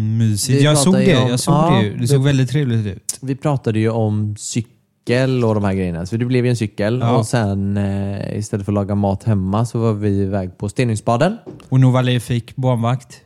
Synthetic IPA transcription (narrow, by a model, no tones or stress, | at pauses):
myːsɪjɑsoːɡd̪ɛjɑsoːɡ̪ːɛjd̪ɛsoːɡvɛlɪt̪ʰːɾeːvlɪt̪ʉ̟̰ːt̪vɪpʰɾɑːt̪ad̪əjɵɔmsʏkː | əlɔd̪ɔmhæːɾɡɾɛjənasɔd̪ɛblɛvjəɛnsʏkːəlɔsɛn | ɪ̰st̪ɛlːəfɾɔlɑːɡamɑːt̪hɛmːasɔvɑɾvɪvɛːɡ̚pʰɔst̪eːnɪŋspɑːd̪ənɔnuvalɛfɪkːbɑːnvakt̪